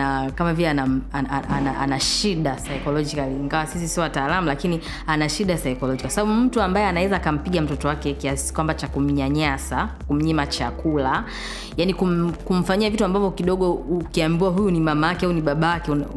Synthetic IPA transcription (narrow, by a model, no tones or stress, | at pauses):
akamavilɛanaaaanaʔa̰naʃiɗasaikɔlɔd͡ʒikaliːŋɡawasis̬isiɔwataːlamulakini | anaʃiɗasaikɔlɔd͡ʒikasaɓaɓum̩tuambajɛanawɛzaːkam̩piɠam̩tɔtɔwakɛkiasi̥kwambat͡ʃakum̩ɲaɲasakum̩ɲimat͡ʃakula | janikum̩kum̩faɲiavituambavɔkiɗɔɠɔukiambiaɦujunimamaakɛauniɓaɓawakɛun